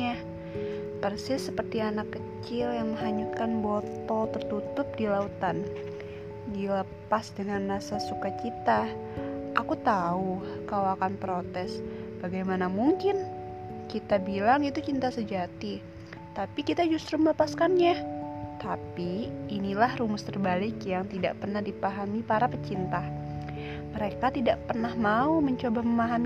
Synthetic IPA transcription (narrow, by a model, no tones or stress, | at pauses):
a | pərsɪsːəpərt̪ianakːət͡ʃɪljaŋməɦaɲut̪̚kanbot̪ɔt̪ərt̪ut̪ʊp̚dilaut̪an | dilə | pasdəŋanrasasukat͡ʃit̪a | ʔakut̪au | kawakanpɾot̪ɛsb̥aɡajmanamuŋkɪn | kit̪abilaŋit̪ut͡ʃint̪asəd͡ʒat̪i | t̪apikit̪ad͡ʒust̪ɾumələpaskanɲat̪apiːnilahrumʊst̪ərbalɪkjaŋt̪ida̰ʔpərnahdipaɦamipaɾapət͡ʃint̪a | məɾekat̪idaʔpərnahmauməɲt͡ʃobaməmaɦam